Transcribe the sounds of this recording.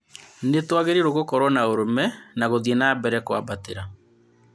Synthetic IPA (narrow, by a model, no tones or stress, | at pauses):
netwaɣeɾeɾoɣokɔɾɔnaoɾomɛnaɣoðienabɛɾɛkowa̰bateɾa